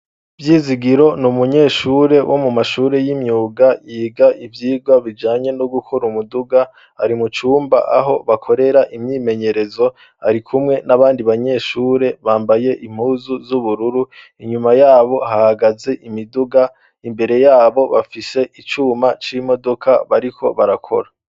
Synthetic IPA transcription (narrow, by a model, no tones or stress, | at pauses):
vjiːziɡiɾo̞numuɲe̞ːʃuːɾe̞wʔo̞mumaʃuːɾe̞jimɲuːɡajiːɡaʔivjiːɡwaβid͡ʒaːɲe̞noɡukʰoɾumuduɡa | aɾimut͡ʃuːmba̰ʔa̰ɦo̞βakʰo̞ɾe̞ɾaʔimɲiːme̞ɲe̞ɾe̞zo̞ | a̰ɾikʰumŋe̞naβaːndiβaɲe̞ːʃuːɾeβaːmbaje̞ʔim̥huːzuzuβuɾuɾu | iɲumajaːβo̞hahaɡaze̞ʔimiduɡa | imbe̞ɾe̞jaːβo̞βafise̞ʔit͡ʃuːmat͡ʃimo̞do̞kʰaβaɾikʰo̞̰βaɾakʰo̞̰ɾa